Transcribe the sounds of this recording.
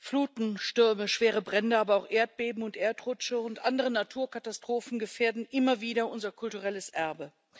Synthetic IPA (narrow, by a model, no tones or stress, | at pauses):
fluːtn̩ʃtʏɐməʃv̥eːʁ̞əbʁɛndəʔaːbɐaʊxʔeːɐt̚b̥eːbm̩ʊntʔeːɐtʁʊt͡ʃəʊntʔandəʁ̞ənatʰuːɐkatastʁ̥oːfn̩ɡəfeːɐdn̩ʔɪmɐviːdɐʔʊnzɐkʰʊltuʁɛləsʔɛɐbə